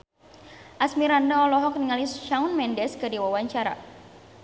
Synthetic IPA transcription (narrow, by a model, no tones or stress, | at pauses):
ʔasmiɾandaɔlɔɦɔk̚niŋalisʃaunmɛndɛskɨdiwawaɲt͡ʃaɾa̰